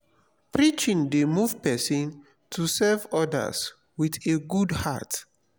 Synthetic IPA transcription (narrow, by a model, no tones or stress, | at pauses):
pɹit͡ʃĩŋdemuvpɛsɔ̃n | tʰusɛvɔdə̰s | wiθeɡudha̰t